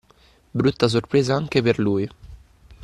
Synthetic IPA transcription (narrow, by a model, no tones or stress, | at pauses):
bɾut̪ːas̬orpɾeːzaaŋk̟eperluːj